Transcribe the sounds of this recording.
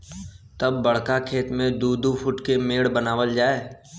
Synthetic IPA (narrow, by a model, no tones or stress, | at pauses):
t̪ɐbːɐɽ̤kakʰeːt̪mẽd̪uːd̪upʰʊʈkemeːɽbənaːʋəld͡ʒaːeː